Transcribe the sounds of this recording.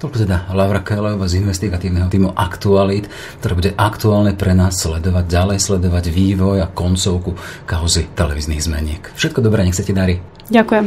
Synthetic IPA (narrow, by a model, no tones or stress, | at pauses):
t̪ɔlkɔt̪ɛd̪alaʊɾakɛlɛɔʋazinʋɛst̪iɡat̪iːʊnɛɦɔt̪iːmuʔakt̪ualit̪ | kt̪ɔɾɛːbuɟɛʔakt̪uaːlɲɛpɾɛnaːsːlɛd̪ɔʋaɟalɛjslɛd̪ɔʋaɟʋiːʋɔjakɔnt͡sɔʊkukaʊzit̪ɛlɛ̰ʋiːzniːɣzmɛ̰ɲɪɛkfʃɛt̪kɔd̪ɔbɾɛːɲɛxt͡sɛcɛd̪aɾi | ɟakujɛm